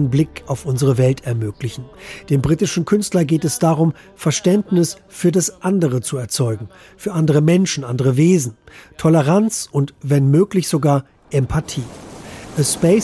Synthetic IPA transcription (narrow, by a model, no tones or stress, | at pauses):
ənblɪkaʊfʔʊnzəʁəvɛltʰɛɐmøːklɪçn̩d̥eːmbʁiːtɪʃn̩kʰʏnstlɐɡeːtɛsd̥aːʁʊm | fɛɐʃtɛntnɪs | fyːɐdasʔandəʁ̞ət͡suɛɐt͡sɔʏɡŋ̩ | fyːɐʔandəʁ̞əmɛnʃn̩ʔandəʁəveːzn̩tʰɔləʁ̞ant͡sʊntvɛnmøːklɪçz̥oɡaːɐ | ʔɛmpʰatʰiːʔəspɛɪ